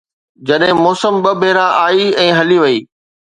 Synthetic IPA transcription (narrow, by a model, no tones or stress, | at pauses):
d͡ʑɐɗɦɪ̃mɔːsəmɓɐbʱeːɾãʔaːiɛ̃ːɦɐliʋɐiː